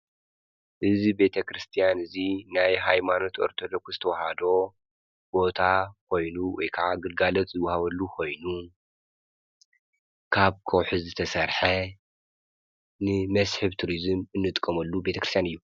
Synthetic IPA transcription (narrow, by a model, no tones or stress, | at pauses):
ʔɨzibe̞t̪ʰɐkʰɾɨst̪ʰijanɨzinajɦajmano̞t̪ʔo̞̰ɾt̪ʰod̪okz̥ɨt̪ʰɐwhad̪o̞ | b̥o̞t̪ʰakʰo̞jnuwɔ̰jkʰɐʕaɡɨlɡalot̪ʼzɨwɐhaβɐlːukʰo̞jnu | kʰaβkʰɐwħɨzzɨt̪ʰɐsɐɾħɐ | nɨmɐsħɨβt̪ʰuɾizɨmɨnːɨt̪ʼkʼːɐmɐlːube̞t̪ʰɐkɾɨst̪ʰjanɨjːu